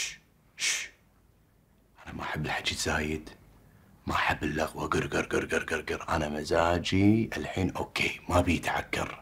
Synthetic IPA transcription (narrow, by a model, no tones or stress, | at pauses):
ʃ | ʔanamaħabːɪlħad͡ʒiz̥aːjɪd̪ | maʔħabːɪlːaɣwaɡɪɾɡɪɾɡɪɾɡɪɾɡɪɾɡɪɾʔa̰namazaːd͡ʒiʔɪlħiːnʔoːkʰːeːmabijt̪ʕa̰kːɑ̰ɾ